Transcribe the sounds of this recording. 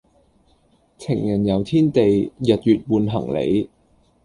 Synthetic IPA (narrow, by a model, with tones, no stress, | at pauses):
t͡sʰɪ̰˨˩ŋjɐ˨˩njɐ˨˧wt̪ʰiː˥nt̪e˨jjɐ˨t̚jyː˨t̚wuː˨˧nɦɐ˨˩ŋlḛ˨˥j